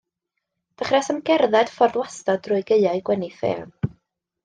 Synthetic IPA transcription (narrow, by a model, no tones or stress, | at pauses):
d̥əχrɛsəmɡɛrðɛd̥fɔrdwastɔdrʊɨɡəɨaɨɡ̥wɛniθḛːn